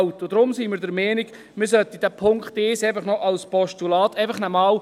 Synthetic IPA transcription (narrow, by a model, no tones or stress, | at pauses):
wt̪ːod̥̪ɾʊmsiːmɪɾdəɾmɛːniɡ | mɪɾsœt̪id̥æpʰʊŋkχtɪsɛɪfəχnɔʔɑlspɔʃtulɑːt̪ɛɪfɐχnəmɑːw